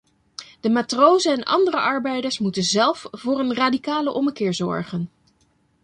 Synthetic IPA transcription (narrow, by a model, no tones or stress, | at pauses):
d̥əmaːtrowzəɛnɑ̰ndərəʔɑɹbɛjdəɹsmutənzɛlˠfv̥ʊːɹənraːdikaːləʔɔməkɪːɹzɔ̰ɹχən